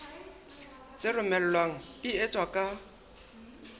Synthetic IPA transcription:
t͡sʼɪrʊmɛl̩lwaŋ̩diet͡sʼwakʼa

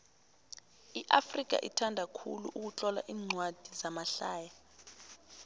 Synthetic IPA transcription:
iʔafrik̬a̰ʔḭtʰandʱakʰuluʔuk̬ut͡ɬʼɔla̰ʔiːŋ͡ǀʱwad̥ʱizamaɬaːja

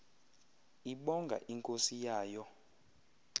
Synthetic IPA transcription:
iɓɔŋɡʱa̰ʔiŋkʼosijaːjɔ

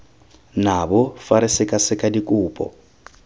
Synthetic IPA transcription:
nabɔfaɾɪsɪkʼasɪkʼadikʼuːpʼɔ̰

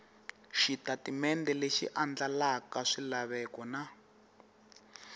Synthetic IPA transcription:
ʃitatimɛndɛleʃḭʔand͡ɮalakaʂilaβɛkɔna

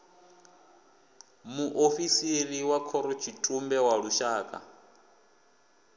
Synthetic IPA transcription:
muʔoɸisiɾiwakʰɔɾɔt͡ʃʰitʼumbɛwaɺuʃaːkʼa̰

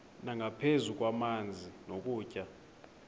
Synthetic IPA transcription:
naŋʱapʰezuk̬ʼwamand͡zʱinok̬ʼuːcʼa

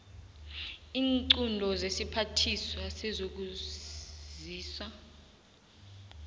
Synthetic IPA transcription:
iːnǀundʱɔzesipʰatʰiswasɛzok̬u | ziːswa

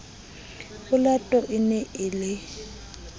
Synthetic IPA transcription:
ɣʊlatʼɔʔɪnɛɪlɪ

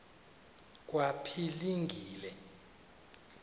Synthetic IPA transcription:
k̬ʼwapʰiliŋɡʱiːlɛ

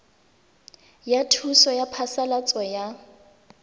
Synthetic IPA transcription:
jatʰusɔjapʰasalat͡sʼɔja

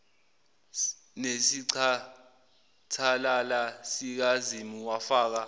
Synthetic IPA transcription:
nesiǀʰa | tʰalalasik̬azimiwafaːk̬a

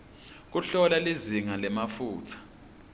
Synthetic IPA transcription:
k̬uɬɔlaliziŋalɛmafuːtʰḁ

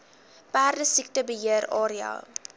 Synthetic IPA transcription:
pæːrdəsik̚təbəɦiəɾɑ̰ːɾiɑ̰ː

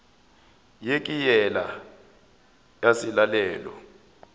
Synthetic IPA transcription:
jekʼijɛla | jasilalɛːlɔ̰

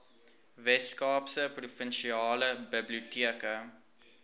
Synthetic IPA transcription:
vɛtskɑːpsəprufənʃiɑːləbəbliutiəkə

